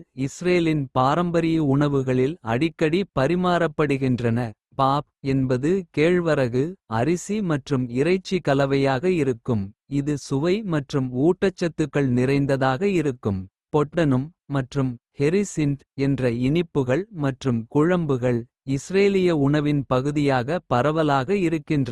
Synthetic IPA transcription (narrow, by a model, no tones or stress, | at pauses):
ɪsreːlɪnpaːɾɐmbɐɾɪjɐʊɳɐʋɯɣɐɭɪlɐɽɪkːɐɽipɐɾɪmaːɾɐpːɐɽɯɣɪndrɐnɐ | paːp̚ɛnbɐðɯkeːɻʋɐɾɐɣɯɐɾɪsimɐʈrɯmɪɾɐɪt͡ʃːikɐlɐʋɐjaːɣɐɪɾɯkːɯmɪðɯsʊʋɐɪmɐʈrɯmuːʈːɐt͡ʃːɐt̪ːɯkːɐɭnɪɾɐɪnd̪ɐðaːɣɐɪɾɯkːɯm | pɔʈːɐnɯmːɐʈrɯmhɛɾɪsɪnd | ɛndrɐɪɳɪpːɯɣɐɭmɐʈrɯmkʊɻɐmbɯɣɐɭ | ɪsreːlɪjɐʊɳɐʋɪnpɐɣɯðɪjaːɣɐpɐɾɐʋɐlaːɣɐɪɾɯkːɪndrɐ